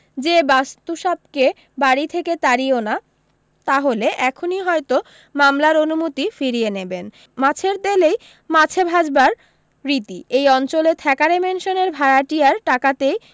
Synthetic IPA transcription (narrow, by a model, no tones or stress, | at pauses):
d͡ʑebast̪uʃap̚ke | baɾit̪ʰeket̪aɾiona | t̪aɦoleʔɛkʰoniɦɔjt̪o | mamlaɾonumot̪ifiɾieneben | mat͡ɕʰeɾd̪elej | mat͡ɕʰebʱad͡ʑbaɾː | it̪iejɔnt͡ɕolet̪ʰɛkaɾemenʃoneɾbʱaɾaʈiaɾʈakat̪ej